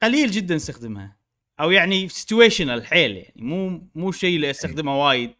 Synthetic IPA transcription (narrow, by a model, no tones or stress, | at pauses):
qaliːld͡ʒɪd̪ːanɪst̪axd̪ɪmha̰ | ʔawjaʕnisɪ̥t̪weːʃɪnalħeːlja̰ʕnḭmuːmuːʃiːlːiʔast̪axd̪ɪmhawaːjɪd̪̚